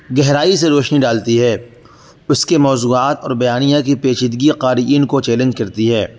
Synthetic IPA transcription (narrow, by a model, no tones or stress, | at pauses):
ɡɛɦɾaːis̬eɾoːʃniɖaːlt̪iɦɛː | ʊskemɔːzuːaːt̪ɔːɾbɐjaːnijãkipeːt͡ʃɪd̪ɡiqaːɾiiːnkot͡ʃɛːlə̃ɲd͡ʒkɐɾt̪iɦɛː